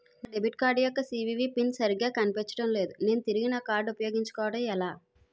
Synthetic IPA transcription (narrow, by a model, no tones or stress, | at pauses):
ɖebʱiʈkaːɾɖjɔkːɐsiːʋiːʋiːpinsɐɾiɡaːkɐnipet͡ʃːɐ̥ʈɐmle̞ːd̪une̞ːnut̪iɾiɡinɐkaːɾɖupɐjo̞ːɡiɲt͡ʃɐ̥kɔːʋɐʈɐmɛlaː